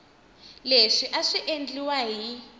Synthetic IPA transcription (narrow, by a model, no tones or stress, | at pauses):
leʂiʔaʂiʔend͡ɮiwaɦi